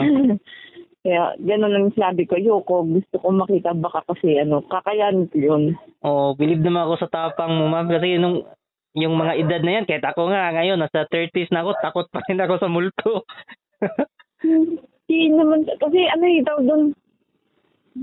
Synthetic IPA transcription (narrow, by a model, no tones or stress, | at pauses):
kɐja̰ɡɐnonɐŋsɪnaːbɪkojoko̞ɡʊst̪okomɐkiːt̪ɐbɐkakɐsɛʔɐno̞kɐkɐjaːnkojonʔoːʔobɪlɪb̚nɐmanʔɐko̞sɐt̪aːpɐŋmomamkɐs̬ɛnoŋ | jʊŋmɐŋaʔɪd̪ad̪̚nɐjankɐhɪt̪ʔɐko̞ŋaŋɐjo̞nːɐsɐt̪ɛɹt̪isnɐʔɐko̞t̪ako̞t̪̚pɐɾɪnɐko̞sɐmʊlt̪o | inɐmankɐsɛʔɐnohit̪ɐwd̪on